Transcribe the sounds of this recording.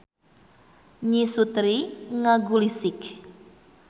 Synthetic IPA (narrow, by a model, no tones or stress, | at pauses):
ɲisut̪ɾiŋaɡulisɪk